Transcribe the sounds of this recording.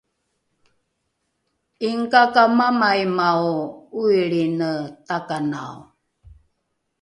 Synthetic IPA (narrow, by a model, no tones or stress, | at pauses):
iŋkakamamajmawuiɭinətakana̰w